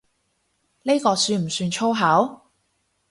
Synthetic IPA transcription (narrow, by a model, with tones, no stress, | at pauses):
ne˥kɔː˧syː˧nm̩˨˩syː˧nt͡ʃʰo˥wɦɐː˨˥w